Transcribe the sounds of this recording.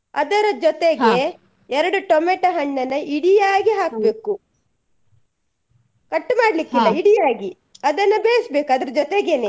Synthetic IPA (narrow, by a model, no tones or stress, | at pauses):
ɐd̪ɐɾɐd͡ʒɔt̪eɡe | ɛɾɐɽuʈomeʈɐɦɐɳːɐnːɐiɽijaːɡiɦaːk̚ɐbeːku | kɐʈːmaːɽlikːilːɐiɽijaːɡi | ɐd̪ɐnːɐbeːjɐsbeːkuɐd̪ɐɾɐd͡ʒɔt̪eɡene